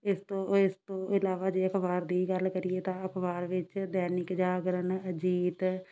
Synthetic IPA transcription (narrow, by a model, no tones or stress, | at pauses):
ɪst̪õːɪst̪õːɪlaːʋaːd͡ʒeːəkʰʋaːɾd̪iːɡəlkəɾieːt̪ãːəkʰʋaːɾʋɪt͡ʃd̪ɛːnɪkd͡ʒaːɡɾənəd͡ʒiːt̪